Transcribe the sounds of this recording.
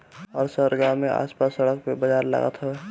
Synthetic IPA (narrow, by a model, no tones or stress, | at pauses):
ɔːɾsəɾɡamẽʔa̰ːspaːsːəɽək̚pebəd͡ʒaːɾla̰ɡə̰t̪ɦʊe